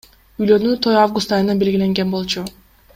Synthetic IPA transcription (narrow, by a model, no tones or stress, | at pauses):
yjlø̞nyt̪ʰo̞javɡust̪ɑjɯnɯnbe̞lɡile̞ŋɡe̞nbo̞lˠt͡ʃu